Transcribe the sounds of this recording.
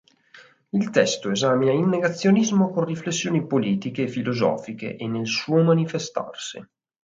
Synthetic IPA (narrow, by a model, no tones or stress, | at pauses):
ilt̪ɛst̪oezaːminailneɡat̪sːjonizmokonriflesːjoːnipoliːt̪ikefilozɔ̰ːfikḛʔenːelsuːomanifest̪a̰rsi